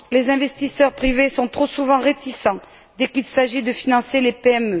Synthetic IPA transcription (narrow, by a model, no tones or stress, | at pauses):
lezɛ̃vɛst̪isœʁpχivesɔ̃t̪χosuvɑ̃ʁet̪isɑ̃ | d̪ɛkilsaʒid̪əfinɑ̃selepeɛmø